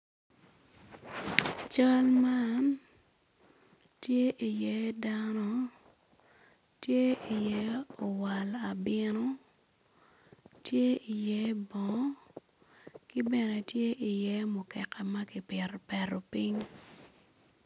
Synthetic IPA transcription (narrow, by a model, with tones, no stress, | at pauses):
t͡ʃa˦lma˦n | tje˦ʔi˨jɛ˦da˦nɔ˦ | tje˦i˨jɛ˦o˨wa˨la˨bɪ˦nɔ˦ | tje˦i˨jɛ˦bɔ˨ | ki˦bɛ˨nɛ˨tje˦ʔi˨jɛ˦mʊ˨kɛ˨kɛ˨ma˦ki˨pɛ˨ɾpɛ˨ɾo˨pi˦ɲ